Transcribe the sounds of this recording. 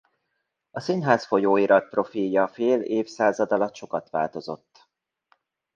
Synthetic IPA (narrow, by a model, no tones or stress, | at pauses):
ɒsinɦaːsfo̞joːiɾɒt̪̚pro̞filjɒfeːleːfsaːzɒd̪ɒlɒt̪ʃo̞kɒt̪ʋa̰ːlt̪o̞zo̞̰t̪ː